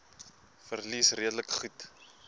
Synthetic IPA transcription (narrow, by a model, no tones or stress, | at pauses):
fərlisriədləkχut